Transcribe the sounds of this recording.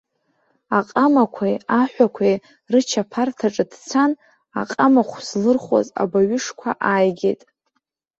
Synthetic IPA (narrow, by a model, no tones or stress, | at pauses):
aqʼamakʷʰajaħʷakʷʰej | rɨt͡ʃʰapʰartʰaʈ͡ʂʼɨdt͡sʰan | a̰qʼamaχʷslɨrχa̰za̰baɥʏʂkʷʰaʔajɡʲḛtʼ